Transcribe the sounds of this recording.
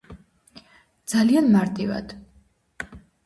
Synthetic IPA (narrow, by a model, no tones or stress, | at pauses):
d̪z̥alianmaɾt̪ʼiva̰d̪̥